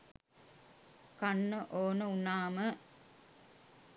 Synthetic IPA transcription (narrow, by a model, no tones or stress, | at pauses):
kɐnːɐʔoːnəunːaːmə